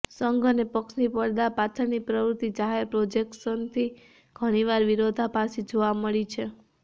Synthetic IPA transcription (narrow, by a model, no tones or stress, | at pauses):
səŋɡʱənepəksnipəɽd̪apat͡ʃʰəɾnipɾəʋɾut̪id͡ʒaɦeɾpɾod͡ʒek̚ʈsənt̪ʰi | ɡ̥ʱəɽ̃iʋaɾʋiɾod̪ʱapasid͡ʒoʋaməɭit͡ʃʰe